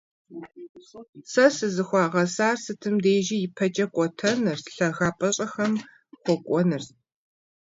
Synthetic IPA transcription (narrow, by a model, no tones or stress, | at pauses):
sɐsɨzɨxʷɑːʁɐsaːrsɨtʰɨmdeːʒijɪpʰɐt͡ʃʼɐkʷʼɔtʰɐnɨrɬɐɣaːpʼɐɕʼɐxɐm | χʷɔkʷʼɔnɨr